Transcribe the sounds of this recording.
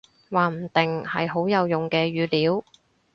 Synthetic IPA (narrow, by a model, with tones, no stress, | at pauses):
waː˨˩m̩˨˩t̪ɪ˨ŋhɐ̰˨jɦo˨˥wjɐ˨˧wjʊ˨ŋkɛː˧ɥyː˨˧liː˨˥w